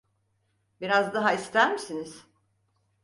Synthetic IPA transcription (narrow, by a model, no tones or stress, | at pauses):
biɾazd̪aɦaist̪ʰæɾmisiniz̥